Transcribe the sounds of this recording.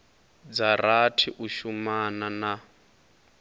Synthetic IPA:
d͡zaratʰiʔuʃumanana

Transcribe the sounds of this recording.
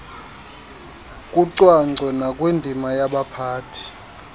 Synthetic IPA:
kʼuǀwaŋ͡ǀʱɛnakʼwendʱimajaɓapʰaːtʰi̥

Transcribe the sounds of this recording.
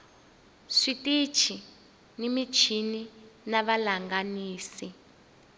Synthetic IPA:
ʂitit͡ʃʰi | nimit͡ʃʰininaβalaŋɡaniːsi

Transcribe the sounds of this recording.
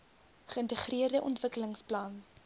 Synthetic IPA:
χəəntəχriərdəʔɔntvəkələŋsplɑn

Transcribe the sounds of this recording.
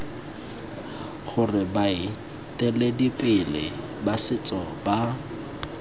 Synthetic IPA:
χʊrɪbaɪ | tʼɛledipʼɪlɪ̰ | basɪt͡sʼɔba

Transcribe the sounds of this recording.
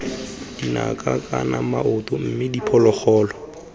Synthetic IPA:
d̥ina̰kʼakʼanamaʔʊtʊm̩mɪdipʰɔlɔk͡xʰɔːlɔ

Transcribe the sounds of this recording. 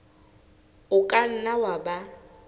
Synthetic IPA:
ʊkʼan̩nawaba

